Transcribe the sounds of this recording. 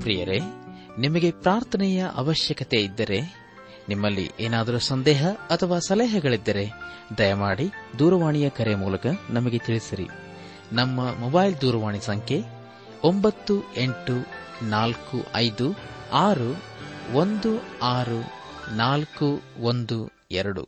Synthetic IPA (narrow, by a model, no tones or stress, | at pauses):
pɾḭjɐɾe | nimɐɡe̞pɾaːɾt̪ʰɐnɛjɐʔɐ̰ʋɐʃjɐkɐt̪e̞id̪ːɐɾe̞ | nimːɐlːḭʔeːnaːd̪ɐɾusɐnd̪ɛːɦɐɐt̪ʰɐʋaːsɐlɛːɦɐɡɐɭid̪ːɐɾe̞d̪ɐjɐmaːɽid̪uːɾɐʋaːɳijɐkɐɾemuːlɐkɐnɐmɐɡe̞t̪iɭisiɾḭ | nɐmːɐmɔbɐːjld̪uːɾɐʋaːɳisɐŋkʰe̞ | ombɐt̪ːue̞ɳʈu | naːlkṵʔɐjd̪uaːɾuond̪uaːɾunaːlkuond̪u | ɛ̰ɾɐɽṵ